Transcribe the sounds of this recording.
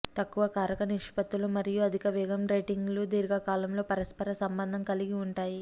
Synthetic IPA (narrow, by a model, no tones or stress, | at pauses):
t̪ɐkːuʋɐkaːɾɐkɐniʂpɐt̪ːulumɐɾijuɐd̪ʱikɐʋɛːɡɐmɾɐjʈiŋɡlud̪iːɾɡɐkaːlɐmlo̞ːpɐɾɐspɐɾɐsɐmbɐnd̪ʱɐmkɐliɡiuɳʈaːji